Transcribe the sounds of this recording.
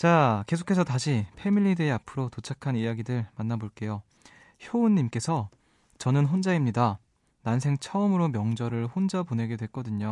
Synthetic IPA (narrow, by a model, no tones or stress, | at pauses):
t͡ɕake̞sʰo̥kʰe̞s̬ʰʌtaɕʰipʰe̞miʎːideapʰɯɾotot͡ɕʰakʰanijaɡidɯɭmanːaboɭk͈e̞jo | çjounɲːimk͈e̞sʰʌ | t͡ɕʌnɯnɸond͡ʑaimɲida | nansʰe̞ŋt͡ɕʰʌʌmɯɾomjʌŋd͡ʑʌɾɯɭɸond͡ʑapone̞ɡe̞dwe̞ɭk͈ʌdɯɲo